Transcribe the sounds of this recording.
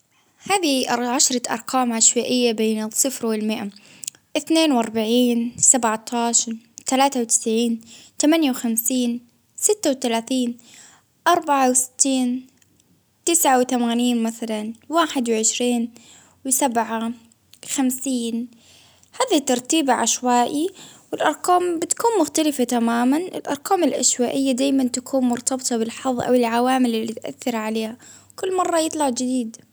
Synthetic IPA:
haːðiʕaʃɾˤɑʔɑ̰ɾˤqaːmʕaʃwaːʔɪjːabeːnɨsˤɨfɾwɪlmɪʔa | ʔɪθneːnwʔɑɾˤbaʕiːnsabʕt̪ˤʰɑːʃɑɾˤ | t̪alaːt̪awt̪ɪ̥sʕiːnt̪amanjawxamsiːn | sɪt̪ːawt̪alaːθiːn | ʔɑɾˤbaʕawsɪ̥t̪ːiːn | t̪ɪsʕawt̪amaːniːnmaθalanwaːħɪd̪wɪʕɪʃɾiːn | wɪsabʕa | xamsiːn | haːðit̪ːɑɾˤt̪iːbʕa̰ʃwaːʔiwɪlʔɑ̰ɾˤqɑːmbɪt̪kuːnmʊxt̪alɪfat̪amaːmanʔɪ̰lʔɑ̰ɾˤqɑːmɪlʔa̰ʃwaːʔɪjːad̪aːjmant̪akʰuːnmʊɾt̪ɑbt̪ˤɑbɪlħɑðˤːʔa̰wɪlʕawaːmɪlɪlːiːt̪ʔa̰θːɪɾʕaleːha | kʊlːmɑrˤːɑjɨt̪ˤlɑʕd͡ʒɪd̪iːd̪

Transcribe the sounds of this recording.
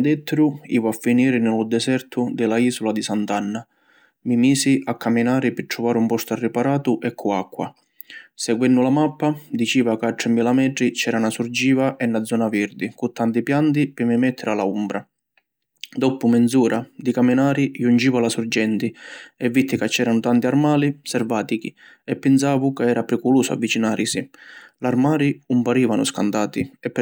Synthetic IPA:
d̪ɛt̪ːɾʊḭːvuafːiniːɾɪnɪlʊd̪ɛsɛrt̪ʰʊd̪ɪlaiːsulad̪isant̪anːa | mimiːsiʔakːamːinaːɾɪpɪʈ̪ːɾuvaːɾumpɔst̪arːɪpaɾaːt̪ʊʔɛkʰːuakːwa̰ | sɛɡwɛnːʊlamapːad̪it͡ʃiːvakaʈ̪ːɾɛmːilamɛʈɾit͡ʃɛːɾanasurd͡ʒiːvaʔɛnːad̪zːɔːnavɛɾd̪ikut̪ːant̪ipjant̪ipɪmimɛt̪ʰːɪɾalaumbɾa | d̪ɔpːumɛnd̪zuːɾad̪ikaminaːɾijund͡ʒiːvalasuɾd͡ʒɛnt̪iɛvːit̪ʰːikat͡ʃːɛːɾanʊt̪ant̪iarmaːlisɛrvaːt̪iki | ɛpːɛns̬aːvukaɛːɾapɾɛkuluːsʊa̰vːit͡ʃinaːɾʔisilarmaːɾiumpaɾiːvanʊ̰skant̪aːt̪iɛpː

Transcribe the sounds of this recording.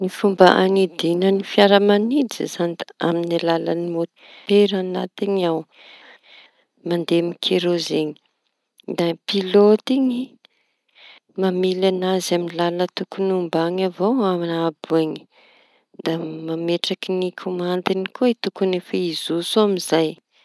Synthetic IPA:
nifumbaʔanid̪inənifjaɾəmanid͡zizand̪a̰minilalənimot̪it̪eɾanat̪iɲaw | mand̪emikʰeɾozeɲi̥ | d̪apilot̪iɲi | mamilanazaminlalət̪ukunumbaŋavoaminaabueɲi̥ | d̪amameʈ͡ʂakinikʰomand̪inikʰoit̪ukunefaizusoamizaj

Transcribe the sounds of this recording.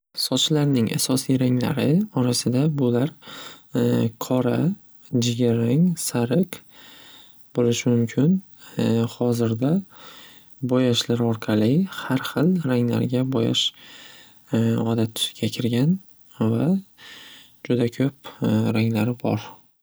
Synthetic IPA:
sɒt͡ʃʰlaɾnɪŋʔa̰sɒsijɾaŋla̰ɾɪɒɾasɪd̪abʊlaɾ | qʰɒɾa | d͡ʒɪɡʲaɾaŋsaɾɪq | bolɪʃɪmʊmkʲʰɪn | hɒzɪɾd̪a | bɒjaʃlaɾɒɾqʰɑlɪhaɾχɨlˠɾaŋla̰ɾɡʲabɒja̰ʃ | ɒd̪at̪ʰːʊ̥sɪ̥ɡʲakʲʰɪɾɡʲan | va | d͡ʒʊd̪akʲʰɵp̚ɾaŋlaɾɪbɒ̰ɾ

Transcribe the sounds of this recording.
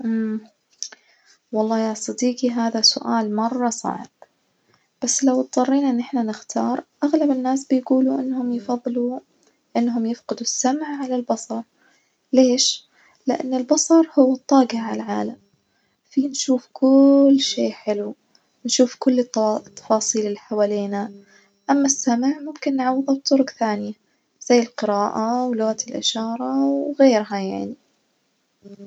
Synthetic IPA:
ʔm | wɑlˤːɑːjɑsˤɑd̪iːqiɦaːðasʊ̰ʔaːlmɑrˤːɑsˤɑ̰ʕɪ̰b̥̚ | b̥asːlawt̪̚ˤðˤɑrˤːiːnʔɪnːʔɪħnanɪxt̪ʰɑːɾˤʔaɣlabɪnːaːsbɪjɡuːluʔɪnːhʊmjɪfɑðˤːlu | ʔɪnːɦʊmjɪfqɪd̪usːamʕʕalalbɑsˤɑɾˤ | leːʃ | lɪʔa̰nːɪlbɑsˤɑɾˤhʊwːɨt̪ˤːɑːɡɪʕʕalʕaːlam | fiːnʃuːfkʊlːʃeːʔħɪlu | nʃuːfkʊlːt̪ʰːɑ̥fɑːsˤiːlɪlːiħawaːleːna | ʔamːasːamʕmʊmkɪnːʕawːðˤɑbt̪ˤːʊɾʊɡθaːnɪja | z̥ajːɪlqɪɾaːʔawlʊɣat̪ɪlʔɪ̰ʃɑːɾˤɑwɣeːɾɦajaʕni

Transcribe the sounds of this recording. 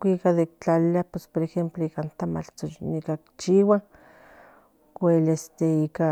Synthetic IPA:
kʷikaðekt͡ɬaliapespoɾexemploikant̪ama̰t͡ɬt͡sonikakt͡ʃiwa | kʷelest̪eika

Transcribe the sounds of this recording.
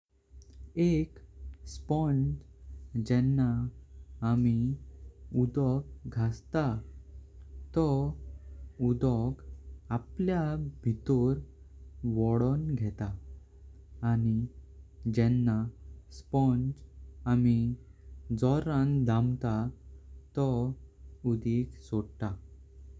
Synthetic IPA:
ekspɔnd͡zd͡ʑɛnːaː | mi | ud̪ɔk̚ɡʱast̪a | t̪ɔ | ud̪ɔkapljabʱit̪oɾ | ʋɔɽɔnɡʱɛt̪a | ni | d͡ʑɛnːaspɔnt͡ɕami | d͡zɔɾãŋɡd̪ãmt̪a | t̪ɔ | ud̪iksoɽt̪a

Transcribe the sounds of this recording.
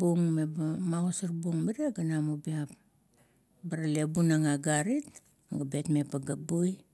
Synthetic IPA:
buŋmebamaosaɾbuŋmiɾiaɡanamubiap̚ | baɾalebunaŋaɡaɾit̚ | ɡabe̞tme̞paɡabuj

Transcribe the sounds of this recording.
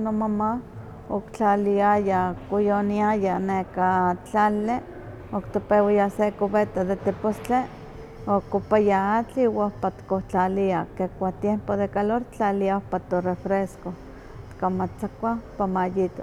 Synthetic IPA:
nomama | okt͡ɬaliajakojoniajanekat͡ɬale | okt̪opewajasekoβet̪ad̪et̪epost͡ɬe | okːopajaat͡ɬiwaohpat̪koht͡ɬaliakekʷat̪jempod̪ekaloɾt͡ɬaliaohpat̪orefɾesko | t̪kamat͡sakʷapamajit̪o̰

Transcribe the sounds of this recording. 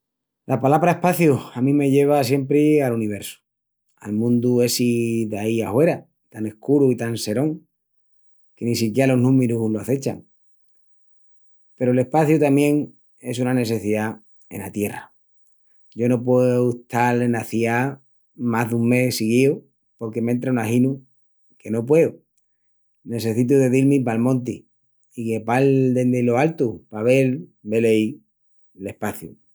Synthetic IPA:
lʔapalaβɾae̞hpaθjuamĩme̞ʎe̞β̞asje̞mpɾealuniβ̞e̞ɾsu̥ | a̰lmũnd̪ue̞siðaiahwe̞ɾa | t̪ane̞hkuɾuit̪anse̞ɾõ̞ŋ | ke̞nis̬ikjeɾalo̞ɦnũmeɾuloaθe̞t͡ʃa̰ŋ | pe̞ɾoe̞le̞hpaθjut̪amje̞ŋ | e̞sunane̞θ̬e̞θiða | e̞̰na̰t̪je̞ra̰ | ɟ͡ʝo̞no̞p̬weut̪ʰalenaθia | maɦðuŋme̞siɣio | po̞ɾke̞ment̪ɾanahinu | ke̞no̞p̬we̞u | ne̞θe̞θit̪̬uðe̞ðilmĩp̬almõ̞nt̪i | ikepald̪eneloalt̪upaβe̞lbelej | le̞hpaθju

